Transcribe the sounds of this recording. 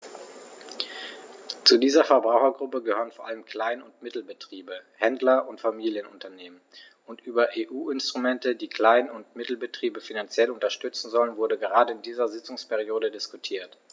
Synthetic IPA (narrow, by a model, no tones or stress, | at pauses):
t͡sudiːzɐfɛɐbʁaʊxɐɡʁʊpəɡəhøːʁənfoːɐʔaləmkl̥aɪnʊntmɪtl̩bətʁ̥iːbəhɛndlɐʔʊntfamiːljənʊ̰ntɐneːmən | ʊntʔyːbɐʔeːʔuːɪnstʁ̥umɛntədiːkʰl̥aɪnʊntmɪtl̩bətʁ̥iːbəfinant͡sjɛlʊntɐʃtʏt͡sn̩zɔlənvʊɐdəɡəʁaːdəɪndiːzɐzɪt͡sʊŋspʰɛʁioːdədɪskutʰiːɐt